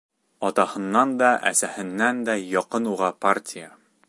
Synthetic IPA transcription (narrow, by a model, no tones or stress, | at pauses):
ɒt̪ɑhɤ̆nːɑnd̪ɒʔæ̰sæhɘ̆nːænd̪æjɒqɤnuʁɑpartʲɪjə